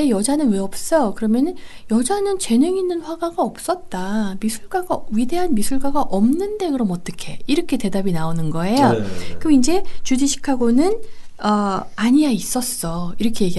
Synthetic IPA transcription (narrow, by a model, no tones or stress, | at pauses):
ejʌd͡ʑanɯnwe̞ʌp̚s͈ʌkɯɾʌmjʌnjʌd͡ʑanɯnt͡ɕe̞nɯŋinːɯnɸwaɡaɡaʌp̚s͈ʌt̚t͈amisʰuɭɡwaɡaɥide̞ɦanmisʰuɭɡaɡaʔʌmnɯnde̞kɯɾʌmʌt͈ʌkʰe̞iɾʌkʰe̞te̞dabinaonɯnɡʌe̞jjokɯmind͡ʑe̞t͡ɕudiɕʰi̥kʰaɡonɯnʌaɲijais͈ʌs͈ʌiɾʌkʰe̞je̞ɡi